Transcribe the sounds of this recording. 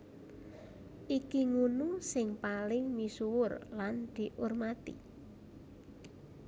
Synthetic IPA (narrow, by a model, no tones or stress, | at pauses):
ʔikiŋunusɪŋpalɪŋmisuwʊrland̪̥i̤ʔʊrmat̪ḭ